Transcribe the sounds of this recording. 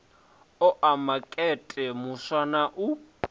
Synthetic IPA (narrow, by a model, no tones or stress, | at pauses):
ɔʔamakʼɛtʼɛmʊswanaʔu